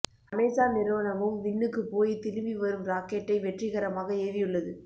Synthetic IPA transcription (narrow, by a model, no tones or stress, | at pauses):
ɐmeːsaːnɪɾɯʋɐnɐmɯmʋɪɳːɯkːɯpoːjit̪ɪlɯʋiʋɐɾɯmɾaːkeʈːɐɪʋɛʈrɪɣɐɾɐmaːɣɐeːʋɪjɯɭːɐðɯ